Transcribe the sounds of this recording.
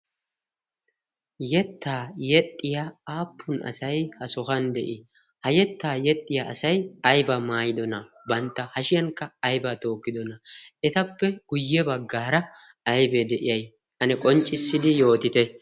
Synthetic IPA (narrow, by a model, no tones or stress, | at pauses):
jɛt̪ʰːaːjɛt̪ʼːɪjaaːpʰːʊnɐ̰sɐjhɐsɔxɐnd̪ɛʔɪ | hɐjɛt̪ːaːjɛt̪ʼːɪjaʔɐsɐjɐjbɐmaːjɪd̪ɔnɐ | bɐnt̪ːɐhɐʃɪjɐŋkːɐɐjbɐt̪o̞ːkːɪd̪ɔnɐɛt̪ɐpːɛɡ̥ʊjːɛbɐɡːaːɾɐ | ɐjbɛd̪ɛʔɪjɐj | ʔɐnɛkʼɔnt͡ʃʼːɪsːɪd̪ɪjo̞ːt̪ɪt̪ɛ